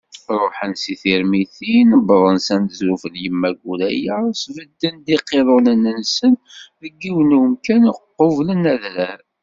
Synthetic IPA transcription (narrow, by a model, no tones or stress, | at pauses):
ɾˤoħənsiθiɾmiθinəbðˤənsænzɾufəljəmːæɡulæjæsvəd̪ːənd̪iqːeðˤʊnənːənsənðəɡːiwənumkænqːovlənæðɾæɾ